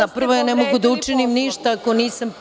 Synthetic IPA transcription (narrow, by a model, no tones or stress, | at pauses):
apr̩ʋojanemoɡud̪aut͡ʂinimniʃt̪aːko̞niːsɐm